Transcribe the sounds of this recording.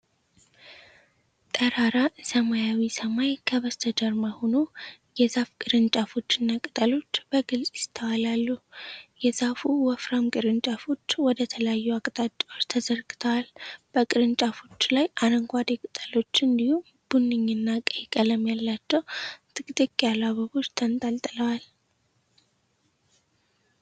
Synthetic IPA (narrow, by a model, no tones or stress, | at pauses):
t̪ʼəɾaɾasəmajawisəmajkʰəβəst̪ʰəd̪əɾmahono̞ | jɛzafkʼɨɾɨnt͡ʃʼafo̞t͡ʃːɨnːakʼɨt̪ʼəlo̞t͡ʃːb̥əɡɨlsʼjɪt̪ʰəwalalːujɛzafuwɔfɾamkʼɨɾɨnt͡ʃʼafo̞t͡ʃːwɔd̪ət̪ʰələjajːuakʼt̪ʼat͡ʃ̪ʼːwot͡ʃːt̪ʰəzəɾɡɨ̥t̪ʰəwalb̥əkʼɨɾɨnt͡ʃʼafo̞t͡ʃːlajaɾəŋɡʷad̪ekʼɨt̪ʼəlo̞t͡ʃːɨnd̪ihum | b̥unːɨɲːɨnːakʼəjikʼələmjalːat͡ʃːɛwt̪ʰɨkʼt̪ʼɨkʼːjalaβəβo̞t͡ʃːt̪ʰənt̪ʼalt̪ʼələwal